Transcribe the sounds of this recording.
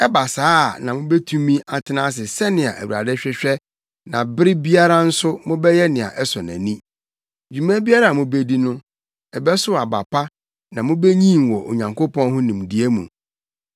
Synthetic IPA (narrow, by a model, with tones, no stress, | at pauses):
ɛ˦ba˨saː˦˨nã˨mʊ̃˦bɛ˦tʰũ˦mĩ˦ʔa˨tʰɪ˦nãː˦s̬ɪ˨sɛ˦nɪ̃˨a̰˨ʔæ˨wu˨a̰˨dɛ˦ɕᶣɛ˦ɕᶣɛ˦ | nã˨bɪ˦ɾɪ˦bi˦a˦ɾa˦n̩˦sʊ˦mʊ̃˦bɛ˦jɛ˦nɪ̃˨a̰˨ʔɛ˦sɔ˨næ̰̃˨nĩ˦ | d͡ʑᶣu˨mæ̃˦bi˦a˦ɾa˨mʊ̃˨be˦di˦nʊ̃˦ | ɛ˨bɛ˦sʊ˦a˨ba̰˨pʰa˦ | nã˨mʊ̃˦be˦ɲĩ˦˨wɔ˨ʔo̰˨ɲã˨ŋkʰo˦pɔ̃˦nɦʊ̃˦nĩ˨mdi˨˦e˦mṵ̃˨